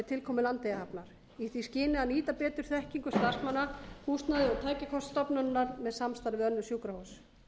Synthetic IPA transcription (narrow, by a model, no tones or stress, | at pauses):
t̪ʰɪlkʰɔːmɪlant̪ejaapnaɾ̥ | iθviscɪːnɪaniːt̪apɛːt̪ʏɾ̥θɛhciŋkʏst̪ar̥smanːahust̪naðɪɔt̪ʰaːjcakʰɔst̪st̪ɔpnʏnːaɾmɛðsamst̪aɾvɪðœnːʏsjuːkɾahos